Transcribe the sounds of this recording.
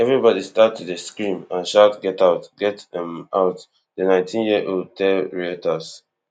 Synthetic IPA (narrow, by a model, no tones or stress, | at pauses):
ɛvɹibɔdistatːudəskɹĩmãnʃatɡɛtaʊtɡ̥ɛtɛ̃maʊt | dənãɪ̃ntʰĩnjiəʔod̚tʰɛlɹiɛtas